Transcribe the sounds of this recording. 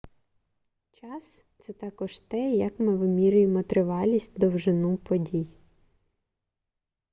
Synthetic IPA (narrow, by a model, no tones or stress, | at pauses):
t͡ʃɑst̪sɛt̪ɑkɔʃt̪ɛjɐkmɪʋɪmʲiɾʲʊjemɔt̪ɾɪʋɑlʲisʲtʲd̪ɔwʒɪnupɔdʲij